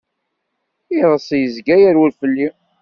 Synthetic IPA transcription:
iðˤəsˤjəzɡæjæɾwəlfəlːi

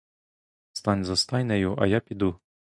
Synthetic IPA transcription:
st̪ɑnʲzɔst̪ɑjnɛjʊʔɐ̰japʲid̪u

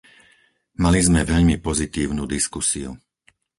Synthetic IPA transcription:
malizmɛʋɛʎmipɔzit̪iːʊnuːd̪iskusiṵ

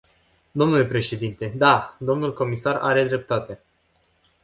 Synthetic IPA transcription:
d̪o̞mnule̞pɾe̞ʃe̞d̪int̪e̞d̪ad̪o̞mnulko̞misara̰ɾe̞d̪ɾe̞p̚t̪at̪e

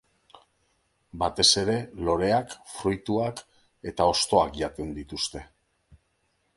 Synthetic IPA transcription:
bat̪e̞se̞ɾe̞lo̞ɾe̞akfɾujt̪uak | e̞t̪ao̞st̪o̞akʝat̪end̪it̪ust̪e̞

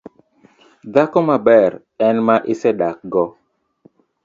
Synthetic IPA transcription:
dakɔmabɛɾ | ɛnmaʔɪsɛɗak̚ɡɔ

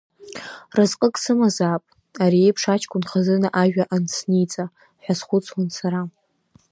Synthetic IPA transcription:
razqʼəkʼsɨmazapʼ | aɾiejpʰʂat͡ʃʰkʷʼʊnχazɨnaʔaʒᶣaʔansʰnijt͡sʼa | ħʷᶣazχʷʊt͡sʰʼwansaɾa

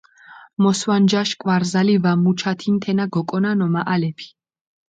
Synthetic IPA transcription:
mɔswand͡ʒaʃkʼwaɾzalivamut͡ʃʰat̪ʰint̪ʰɛnaɡɔkʼɔnanɔmaʔalɛpʰi̥

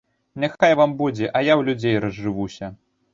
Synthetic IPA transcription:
nʲaxajvambud͡zʲɛʔɐjawlʲud͡zʲejɾɐzʐɨvusʲɐ

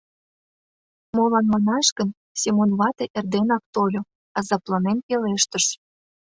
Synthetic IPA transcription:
molɑnmɑnɑʃkə̆n | semonβɑt̪eʔerd̪enɑk̚t̪olʲo | ɑzɑplˠɑnenkeleʃt̪ə̆ʃ

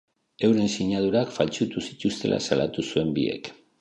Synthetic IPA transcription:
e̞wɾe̞nsiɲað̞uɾakfalt͡sut̪usi̥t̪ust̪e̞̰lʔa̰salat̪usue̞mbie̞̰k

